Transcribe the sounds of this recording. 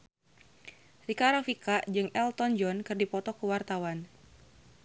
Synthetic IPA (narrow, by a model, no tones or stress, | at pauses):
rikaɾɔfikad͡ʒɨŋɛlt̪ɔnd͡ʒɔnkɨrdipɔt̪ɔkuwart̪awan